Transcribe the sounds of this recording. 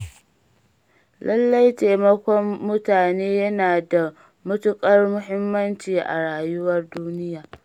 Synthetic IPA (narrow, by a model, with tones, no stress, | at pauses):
lʔɐ˦lːa˦jteː˨mɐ˦kʷɔ˦mːʊ˦taː˨neː˦jɐ˦naː˨da˨ | mʊ˦tʊ˦kʼɐ˦rmʊ˦ɦɪ˦mːɐ˦nt͡ʃiː˨ʔa̰˨ɽaː˨jʊ˦wɐ˦rduː˦nɪ˦jaː˨